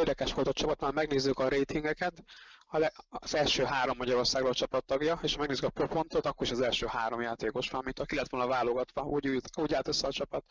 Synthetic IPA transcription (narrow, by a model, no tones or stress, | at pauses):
erd̪ɛkɛʃʋo̞lt̪ɒt͡ʃɒpɒt̪maːlmɛɡneːzːykɒɾeːt̪iŋɡɛkɛt̪ɒɛz̥ɛlʃøːɦaːɾo̞mːɒɟɒɾo̞rsaːɡɾot͡ʃɒpɒt̪ːɒɡjɒeːʃmɛɡneːzykɒpɾopo̞nt̪ot̪ɒkːo̞ɾiʃɒzɛlʃøːhaːɾo̞mjaːt̪eːkoʃʋɒmint̪ɒkilɛt̪ʋo̞lnɒvaːlo̞ɡɒt̪ʋɒɟujuːɟaːt̪øsːɛɒt͡ʃɒpɒt̪